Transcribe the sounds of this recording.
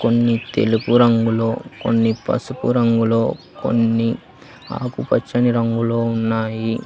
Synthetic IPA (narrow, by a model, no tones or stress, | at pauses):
ko̞nːit̪e̞̰lupuɾɐŋɡulo̞ːko̰nːipɐ̰supṵɾɐŋɡulo̞ː | ko̞̰nːi | a̰ːkupɐt͡ʃːɐniɾɐŋɡulo̞ːunːaːji